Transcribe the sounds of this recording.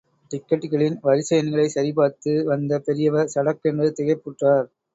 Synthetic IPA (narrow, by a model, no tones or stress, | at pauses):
ʈɪkːɐʈːɣɐɭɪnʋɐɾɪsɐjɐnɣɐɭɐɪsɐɾɪpaːɾt̪ːɯʋɐnd̪ɐpɛɾɪjɐʋɐɾsɐɽɐkːɛndrɯt̪ɪɣɐɪpːɯʈraːɾ